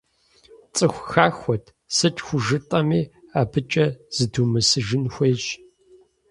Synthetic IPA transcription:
t͡sʼɨxʷxaːxʷɔtʰ | sɨt͡ʃʼxʷʊʒɨtʼɐmiːaːbʰɨt͡ʃʼɐz̥ɨdumɨsɨʒɪnxʷeːjɕ

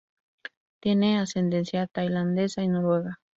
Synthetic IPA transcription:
t̪jeneasend̪ensjat̪ajland̪esainoɾweɣa

